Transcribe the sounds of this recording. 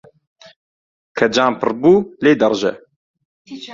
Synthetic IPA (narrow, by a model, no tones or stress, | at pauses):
kʰɐd͡ʒaːmpʰɨɾbuːleːd̪ɐrʒɛ̰